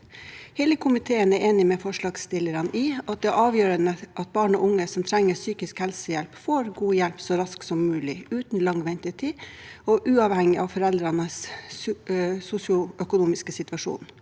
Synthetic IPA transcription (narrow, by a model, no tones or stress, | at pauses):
hɛːləkʰʊmɪt̪ʰeːənæɾʔeːnɪmɛfɔʂɭɑːɡst̪ɪləɾɑnʔɪɑt̪̚d̪ɛæɾʔɑːʋjøːɾənəʔɑt̪̚bɑːɳɔ̰ʔʊŋːəsɔmt̪ʰɾɛŋːəsyːkɪskhɛlsəjɛlpfoːɾɡuːjɛlpsɔɾɑsksɔmːʉːlɪʉːt̪nlɑŋʋɛnt̪ɪt̪ʰiɔʔʉːɑʋhɛŋɪʔɑʋfɔɾɛld̪ɾɑnəs | sʊsɪʊœkʊnuːmɪskəsɪt̪ʋɑʂṵːn